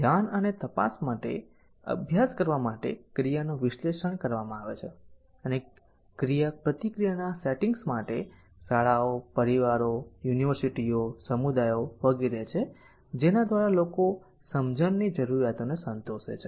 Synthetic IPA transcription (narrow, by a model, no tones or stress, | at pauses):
d̪ʱjanənet̪əpa̰smaʈḛ | ə̰bʱjaskəɾʋamaʈḛkɾijanoʋɪʃleʃəɳkəɾʋamãaʋet͡ʃʰe | əne | kɾijapɾət̪ikɾijanaseʈiŋɡsmaʈe | saɭaopəɾiʋaɾojuniʋəɾsiʈiosəmud̪ajoʋəɡiɾet͡ʃʰe | d͡ʒenad̪ʋaɾaloko | səmd͡ʒənːid͡ʒəɾuɾjat̪onesənt̪oʃḛt͡ʃʰe